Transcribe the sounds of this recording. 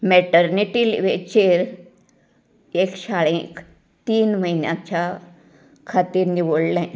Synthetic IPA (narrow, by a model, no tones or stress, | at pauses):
mɛʈəɾniʈiːlʋet͡ɕeɾ | eksaɭẽk | t̪iːnməɦinjã̰t͡ɕa | kʰat̪iːɾniʋoɽlɛ̃